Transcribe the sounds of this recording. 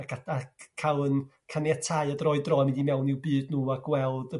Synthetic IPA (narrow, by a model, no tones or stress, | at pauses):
akaakʰalˠən | kʰanjatʰaɨadrɔɨdrɔmɪ̃ndimɛwnɪwbɨːdnuːaɡwɛlˠdə